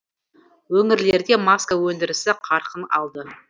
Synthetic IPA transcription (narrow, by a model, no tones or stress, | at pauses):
wɵŋɪɾle̞ɾd̪e̞maskawɵnd̪ɪɾɪsɪqʰɑɾqənɑ̰lˠd̪ə